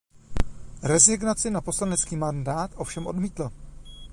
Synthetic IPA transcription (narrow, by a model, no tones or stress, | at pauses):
ɾɛzɪɡnat͡sɪnapo̞slanɛt͡skiːmandaːt̪ʔo̞fʃɛmʔo̞dmiːt̪la